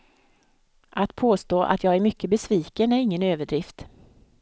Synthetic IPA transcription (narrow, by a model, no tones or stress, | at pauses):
ʔat̪pʰoːst̪oːʔa̰t̪ʰjɑːɡæɾmʏkːəbɛsviːkənæɾɪŋːənøːvəɖɾɪft̪